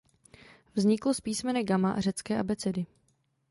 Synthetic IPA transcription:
vzɲɪklospiːsmɛnɛɡamaʔar̝ɛt͡skɛːʔabɛt͡sɛdɪ

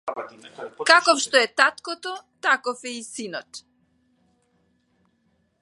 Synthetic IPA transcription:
kakɔfʃt̪ɔɛt̪at̪kɔt̪ɔt̪akɔfɛisinɔt̪

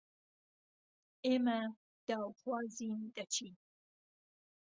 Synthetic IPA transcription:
ema | d̪̥ɑwxwɑːzind̪at͡ʃʰi

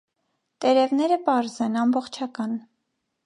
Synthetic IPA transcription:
t̪ɛɾɛvnɛɾəpɑɾzɛnɑmbɔχt͡ʃʰɑkɑn

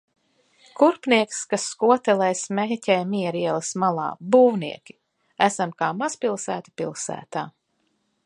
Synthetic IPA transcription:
kuɾpniɛkskasːkuɔt̪ɛlɛjsmɛcʲɛjmiɛɾiɛlˠismalˠa̰ːbuːwniɛkʲi̥ | æsamkaːmaspilˠsæːt̪i̥pilˠsæ̰ːt̪aː

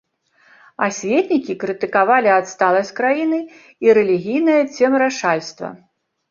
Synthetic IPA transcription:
a̰sʲvʲɛt̪ʲnʲikʲikɾɨt̪ɨkavalʲiat̪st̪alˠɐsʲt͡sʲkɾajinɨ | iɾɛlʲiɣʲijnɐjɐt͡sʲɛmɾaʂalʲst̪vɐ̰

